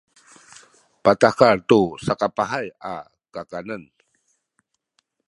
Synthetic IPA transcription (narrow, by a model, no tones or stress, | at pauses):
pat̪akart̪usakapaɦaja̰ | kakanən